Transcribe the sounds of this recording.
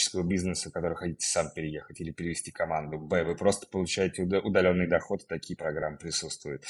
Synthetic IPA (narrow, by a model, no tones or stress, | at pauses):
ɪ̥skəvəbʲiznɨsəkɐt̪o̞ɾɨxɐtʲitʲɪ̥sampʲɪɾʲɪje̞xətʲilʲɪpʲɪɾʲɪvʲɪsʲtʲikɐmand̪ʊbɛvɨpɾo̞st̪ə̥pəlˠʊt͡ɕæjɪtʲɪʊd̪ɐlʲo̞nːɨjd̪ɐxo̞t̪ɨ̥t̪ɐkʲijəpɾɐɡɾamːɨpɾʲɪsut̪st̪vʊjʊt̪